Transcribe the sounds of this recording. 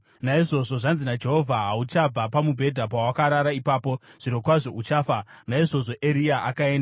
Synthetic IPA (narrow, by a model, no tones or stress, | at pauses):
naiʐo̞ʐo̞ʐanzinad͡ʒe̞ɦovʱaɦaut͡ʃab͡vapamubʱe̞dʱap̬awakaɾaɾaipaːpo̞ʐ̥iɾo̞kwaʐo̞ut͡ʃaːfanaiʐo̞ʐo̞ʔe̞ɾijaʔakae̞ːnda